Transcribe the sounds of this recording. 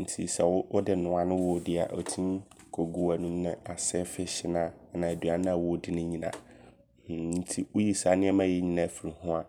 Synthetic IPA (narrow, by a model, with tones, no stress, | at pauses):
n̩˨tʰi˨sɛ˨wʊ˦ʔʊ˦dɪ˦nʊ̃˨˦a˦nʊ̃˦wʊ˦dɪ˦a̰˨ʔɔ˨tʰĩ˦kʰo˨ɡu˨a˨nũ˨˦nɪ̃˦a˨sɛ˦fɪ˦ɕɪ˦nã˦˨nã˨æ˨dɥa˨nʊ̃˦a˨wʊ˦dɪ˦nʊ̃˦ɲĩ˨nã̰˨ | n̩˦tʰi˦wʊ˦ji˦sa˨˦nɪ̃˦ɛ˦mã˦jɛ˦ɲĩ˦nã˨fi˨ɾi˨hʊ̃˦a˨